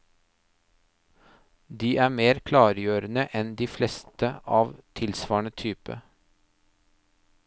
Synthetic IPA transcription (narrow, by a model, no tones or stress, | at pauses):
d̪iːʔæːmeːɾkʰlɑːɾjøːɾənəʔɛnd̪iːflɛst̪əʔɑːʋt̪ʰɪlsʋɑːɳət̪ʰyːpə̰